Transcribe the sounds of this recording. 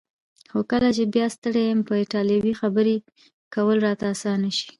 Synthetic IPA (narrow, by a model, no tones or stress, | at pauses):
xokəlat͡ʃebjɑst̪əɽejəmpəɪʈɑljiwixabəɾe | kawəlɾɑt̪aːsɑnəʃi̥